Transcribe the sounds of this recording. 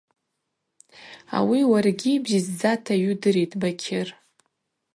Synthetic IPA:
a̰wiwarɡʲibzizd͡zatʰaɥʊdɨɾejtʼbakʲʰɪr

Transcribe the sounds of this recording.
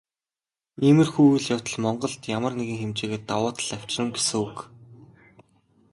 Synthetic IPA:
eːmɘ̆rxuːwɘ̆ɮjaw̥t̪ə̆ɮmɔɴɢɞ̆ɬt̪jamə̆rneɣĭŋxemt͡ɕeːɣeːt̪awʊːt̪əɮaw̥t͡ɕrə̆mɡesɘ̆ŋuk

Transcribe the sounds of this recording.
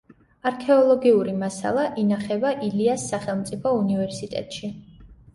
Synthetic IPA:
aɾkʰɛɔlˠɔɡiuɾimasa̰lˠaʔinaχɛbaʔiliasːaχɛlˠmt̪sʼipʰɔunivɛɾsit̪ʼɛ̰t̪ʼʃi

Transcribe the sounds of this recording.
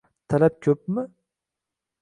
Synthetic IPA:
t̪ʰalap̚kʲʰɵp̚mɪ

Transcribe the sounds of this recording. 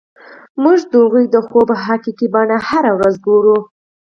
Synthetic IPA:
muʒd̪əɣujd̪əxobəɦakikibɑnahaɾawɾazɡoɾu

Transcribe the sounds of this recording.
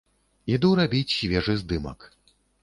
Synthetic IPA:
id̪uɾabʲit͡sʲɕvʲɛʐɨzd̪ɨmɐ̰k

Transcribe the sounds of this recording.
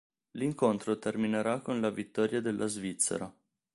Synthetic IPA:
liŋkont̪ɾot̪ermineɾakːonlavit̪ːɔːɾjad̪elʔazvit̪sːḛɾa

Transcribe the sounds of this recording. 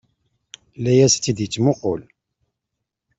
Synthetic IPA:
lːæjæst͡s̪ːid̪jət͡sːmʊqʊl

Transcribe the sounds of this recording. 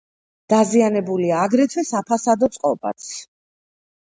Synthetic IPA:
d̪̥azianɛbuliaːɡɾɛt̪ʰwɛsapʰasad̪ɔt̪sʼqʼɔba̰t̪sʰ

